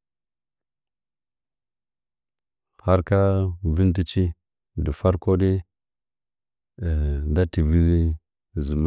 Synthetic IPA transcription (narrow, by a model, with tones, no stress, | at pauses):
ha˦ɾka˦vi˦nt̬i˦t͡ʃi˦ | di˨fa˦ɾko˦di˦˨ | da˦ti˨vi˦ | zi˨m˦